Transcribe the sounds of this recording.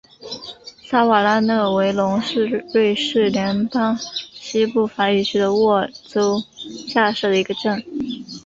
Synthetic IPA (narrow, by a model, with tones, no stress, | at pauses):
sa˥wa˨˩la˥˧nɤ˥˩we˧˥ɪlʊ˧˥ŋʂɻ̩˥˧ɻwe˥˧ɪʂɻ̩˥˩ljɛ˧˥npɑ˥ŋɕi˥pu˥˩fa˧˥y˨˩t͡ɕʰy˥d̪ə˧wɔ˥˩t͡so˥ʊɕja˥˧ʂ̩˥˩d̪ə˩i˧˥ɡə˧ʈ͡ʂə˥˩n